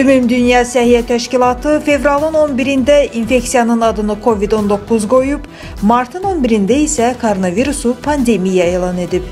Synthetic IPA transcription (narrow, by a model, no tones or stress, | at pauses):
ymymd̪ynjɑsæhijæt̪ʰæʃcilˠɑt̪ʰɯfe̞vɾɑlˠɯno̞nbiɾind̪æinfe̞csijɑnɯnɑd̪ɯnɯkʰo̞vid̪o̞nd̪o̞kʰːuzɡo̞jub | mɑɾt̪ʰɯno̞nbiɾind̪æisækʰoɾo̞nɑviɾusupʰɑnd̪e̞mijæe̞ːlˠɑne̞d̪ip